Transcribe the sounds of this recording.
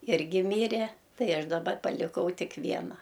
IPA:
ˈɪrʲɡʲɪ ˈmʲiːrʲɛ ˈtɐɪ ˈɐʃ dɐˈbɐ pɐlʲɪˈkɐʊ ˈtʲɪk ˈʋʲiɛnɐ

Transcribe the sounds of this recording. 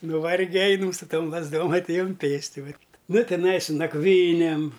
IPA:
nʊˈʋɐrʲɡʲɛ ˈɐɪnɐm sʊ ˈtoːm lˠɐzˈdoːm ɐtʲˈeːjʊm ˈpʲeːsʲtʲɪ ˈʋɐt ˈnʊ tʲɪˈnɐɪ sʊ nɐkˈʋʲiːnʲeːm

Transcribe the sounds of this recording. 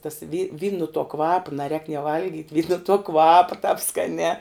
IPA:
tɐs ʋʲiː ʋʲiːn nʊ tuɔ ˈkʋɑːpɐ nɐˈrʲɛːk nʲiɛ ˈʋɐlʲɡʲiːtʲ ʋʲiːn nʊ tuɔ ˈkʋɑːpɐ tɑːp skɐˈnʲɛː

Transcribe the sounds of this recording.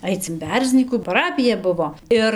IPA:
ˈɐɪt͡s ɪn ˈbʲɛrʲzʲnʲiːkuː pɐˈrɑːpʲɪjɛ ˈbʊʋoː ˈɪr

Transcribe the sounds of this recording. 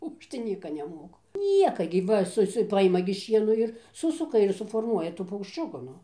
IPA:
oː ˈɐʃ tɐɪ ˈnʲiɛkɐ nʲɛˈmoːkʊ ˈnʲiɛkɐ ɡʲɪ ˈʋɐ ˈsʊ ˈsʊ ˈpɐɪmɐ ɡʲɪ ˈʃʲiɛnoː ɪr ˈsʊsʊkɐ ɪr sʊfoːrˈmuɔjɛ ˈtuː pɐʊkʃʲˈt͡ʃʲʊkʊ ˈnʊ

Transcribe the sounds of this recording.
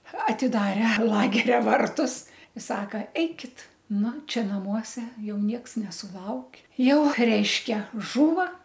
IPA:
ɐtʲɪˈdɑːrʲɛ lˠɐɡʲɛrʲɛ ˈʋɐrtʊs ɪ ˈsɑːkɐ ˈɛɪkʲɪt ˈnʊ ˈt͡ʃʲɛ nɐˈmuɔsʲɛ ˈjɛʊ ˈnʲiɛks nʲɛsʊˈlˠɐʊkʲ ˈjɛʊ ˈrʲɛɪʃʲkʲɛ ˈʒuːʋɐ

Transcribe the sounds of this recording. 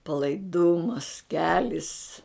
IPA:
pɐlˠɐɪˈdʊmɐs ˈkʲæːlʲɪs

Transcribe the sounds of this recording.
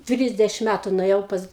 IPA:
ˈtʲrʲɪzʲdʲɛʃʲɪm ˈmʲætʊ nʊeːˈjɛʊ pɐs

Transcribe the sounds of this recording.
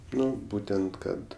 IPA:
ˈnʊ ˈbuːtʲɛnt ˈkɐt

